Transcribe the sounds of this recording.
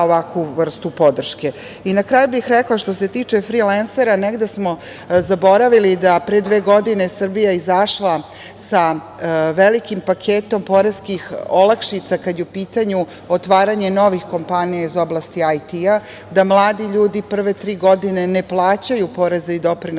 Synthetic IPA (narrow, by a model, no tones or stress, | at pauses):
oʋakʋuʋr̩st̪upo̞d̪r̩ʃke̞ | inakɾaːjubixɾeklˠaʃt̪o̞se̞t̪iːt͡ʂefɾilanseɾaneɡd̪esmo̞ | zabo̞ɾaʋilid̪apɾed̪ʋeːɡo̞d̪ine̞srbijaizaʃlˠa | sa | ʋelikimpakʰeːt̪o̞mpo̞ɾeskixolakʃit̪sakad̪jeupiːt̪aɲu | ot̪ʋaːɾaɲe̞no̞ʋixko̞mpanijaizo̞blˠaːst̪iajt̪ia | d̪amlˠaːd̪iʎuːd̪ipr̩ʋe̞t̪ɾiːɡo̞d̪ine̞neplˠaːt͡ɕajupo̞ɾe̞zaid̪o̞pɾin